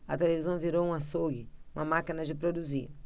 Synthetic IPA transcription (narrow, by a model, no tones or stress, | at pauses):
ɐt̪elevizɐ̃w̃viɾowũasoɡɪũmɐmakinɐd͡ʒɪpɾod̪uziɾ